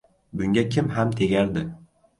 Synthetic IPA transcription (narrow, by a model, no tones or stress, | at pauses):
bʊŋɡʲakʲʰɪmhamt̪ʰeɡʲaɾd̪ɪ